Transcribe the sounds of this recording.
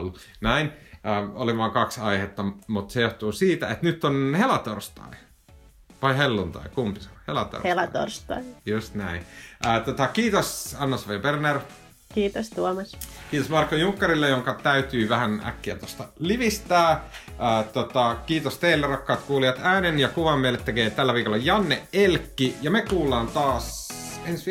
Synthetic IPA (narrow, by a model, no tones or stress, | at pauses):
lːu | næinəoliʋɑːŋkɑksɑihet̪ːɑmut̪sejoht̪uːsiːt̪æet̪nyt̪ːonhelɑt̪orst̪ɑ̰i | ʋɑihelːunt̪ɑ̰ikumpisohelɑt̪o̰rhelɑt̪o̰rst̪ɑ̰ijust̪næinəːt̪ot̪ɑkiːt̪osɑnːɑsʋɑijɑberner | kiːt̪ost̪uolmɑskiːt̪osmɑrkːojuŋkːɑɾilːejoŋkɑt̪æyt̪yːʋæhænæ̰kːiæ̰t̪ost̪ɑliʋist̪æːəːt̪ot̪ɑkiːt̪ost̪eilːerɑkːɑːt̪kuːliɑt̪æːnenjɑkuʋɑmːielːˑet̪ːekeːt̪ælːæʋiːkolːɑjɑnːeʔelkːijɑmekuːlːˑɑːnt̪ɑːs | ens